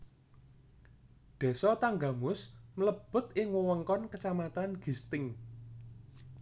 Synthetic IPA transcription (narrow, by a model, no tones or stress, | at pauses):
d̪̥ɛ̤sɔt̪aŋɡa̤mʊsmələb̥ʊ̤t̪ɪŋwəwəŋkɔnkət͡ʃamat̪anɡ̥i̤st̪ɪŋ